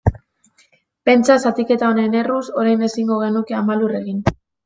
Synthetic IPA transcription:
pe̞nt͡ʃasat̪ike̞t̪aonene̞ruso̞ɾajne̞siŋɡo̞ɣe̞nuke̞amalure̞ɣin

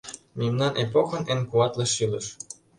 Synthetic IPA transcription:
mimnɑnʔepoxɤ̆nenkuɑt̪lɤ̆ʃilə̆ʃ

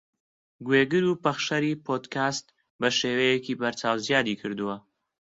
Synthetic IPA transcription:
ɡweɡɨɾupɐχʃɐɾiːpʰoːd̪kaːst̪̚ | bɐʃeːwɐjekiːbɐɾt͡ʃaːwzijaːd̪iːkʰɨɾd̪uwɐ

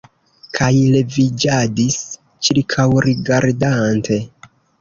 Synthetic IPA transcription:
kʰajle̞vid͡ʒadis | t͡ʃiɾkʰawɾiɡaɾdantʰe̞

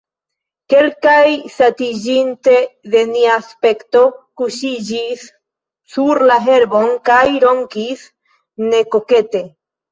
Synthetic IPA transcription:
ke̞lkajsatid͡ʒinte̞ðe̞niaspe̞kto̞kuʃid͡ʒisː | uɾlaɦe̞ɾbo̞ŋkajɾo̞ŋkis | ne̞ko̞ke̞te̞

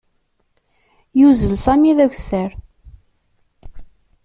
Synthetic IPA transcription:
juzəlsɑmiðæçʷsəɾ

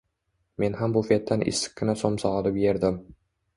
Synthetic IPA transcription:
me̞nhambʊfet̪ːanʔɪ̰sːɪ̥k̚ʲːɪnasomsɒɑlɪpjeɾd̪ɪm

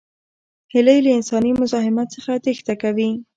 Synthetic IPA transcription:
hɪlajləɪnsɑnimʊzɑɦɪmat̪səxat̪ext̪akawi

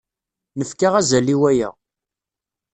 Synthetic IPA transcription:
nəfkaʁæzæliwæjæ̰

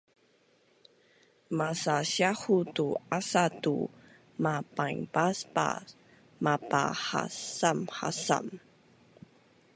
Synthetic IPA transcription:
masaɕahutuasatṵ | mapaŋpaspa̰ | mapa̰ha̰samha̰sa̰m

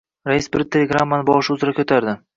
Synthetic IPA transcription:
ɾajɪsbɪɾt̪ʰelʲeɡɾamːanɪbɒʁʃɪʊzɪɾakʲʰɵt̪ʰaɾd̪ɪ

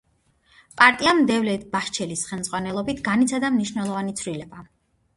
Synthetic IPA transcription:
pʼaɾt̪ʼiamd̪ɛvlɛb̥aʃt͡ʃʰɛlisχɛlˠmzʼʁwanɛlˠɔbit̪ʰɡanit̪sʰad̪amniʃnɛlˠɔvanit̪sʰvɾilɛba

